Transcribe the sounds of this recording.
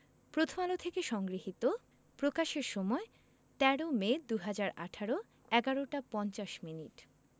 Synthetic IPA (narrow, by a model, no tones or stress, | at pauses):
pɾot̪ʰomalot̪ʰekeʃɔŋɡɾiɦit̪o | pɾokaʃeɾʃɔmɔe | t̪ɛɽomed̪uɦad͡ʑaɾa̰ʈʰaɾo | ɛɡaɾoʈapɔnt͡ɕaʃminiʈ